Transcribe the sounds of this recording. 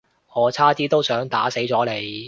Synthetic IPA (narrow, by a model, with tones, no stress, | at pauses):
ŋɔː˨˧t͡sʰaː˥t̪iː˥t̪o˥wsœː˨˥ŋt̪a̰ː˨˥se˨˥jt͡sɔː˨˥le˨˧j